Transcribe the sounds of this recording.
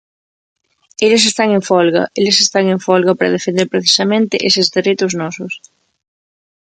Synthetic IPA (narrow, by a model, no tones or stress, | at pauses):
eʎes̬est̪aŋẽɱfɔlɣɐ̰ʔelesest̪aŋẽɱfɔlɣɐpaɾɐ̰ð̞efẽnd̪eɾpɾeθi̥sɐmẽnt̪ɪʔesezðeɾet̪ʊznɔsʊs